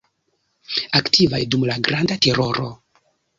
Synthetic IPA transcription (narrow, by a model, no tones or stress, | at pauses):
aktʰivajdumlaɡɾandate̞ɾo̞ɾo̞